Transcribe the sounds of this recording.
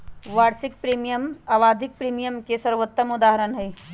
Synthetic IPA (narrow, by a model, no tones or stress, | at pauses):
ʋaɾsik̚pɾimijəmaʋad̪ʱik̚pɾimijəmkesəɾʋot̪ːəmud̪aɦəɾənɦəj